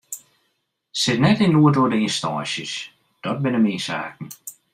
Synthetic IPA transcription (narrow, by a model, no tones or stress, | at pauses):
sɪtnɛtɪnluədoədɪːnstɔːsjə̰s | d̥ɔt̚bɪnəmiːsa̰ːkn̩